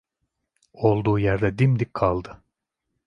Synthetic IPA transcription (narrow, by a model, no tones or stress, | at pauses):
o̞lˠd̪uːjæɾd̪ɛd̪imd̪ikkʰːalˠd̪ɯ